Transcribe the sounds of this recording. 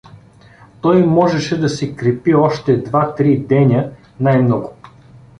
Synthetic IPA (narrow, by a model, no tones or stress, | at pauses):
t̪ɔjmɔʒɛʃɛd̪ɐsɛkɾɛpiɔʃt̪ɛd̪vat̪ɾid̪ɛnʲə | najmnɔɡʊ